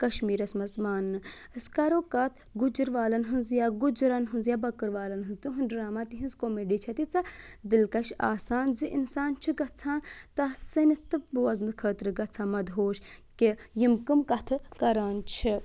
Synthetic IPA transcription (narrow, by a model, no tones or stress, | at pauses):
kɐʃmiːɾɐsmɐzmaːnːɨ | əskɐɾoːkɐt̪ʰ | ɡud͡ʒɨɾʋaːlɐnɦɨnzjaɡud͡ʒɾɐnɦɨnzjabɐkɨɾʋaːlɐnɦɨnzt̪ɨɦunɖɾaːmaːt̪iɦĩnzkoːmeɖiːt͡ʃʰɐt̪it͡sɐd̪ɨlkɐʃa̰ːsaːnziʔinsaːnt͡ʃʰiɡɐt͡sʰaːnt̪ɐsɐnit̪ɨp̚bɨwɐznɨkʰəːt̪ɾɨɡɐt͡sʰaːmɐd̪ɦoːʃkijimkɨmkɐt̪ʰɨkɐɾaːnt͡ʃʰi